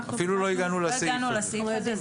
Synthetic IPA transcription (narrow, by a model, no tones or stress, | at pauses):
afiluloiɡanulasinulasi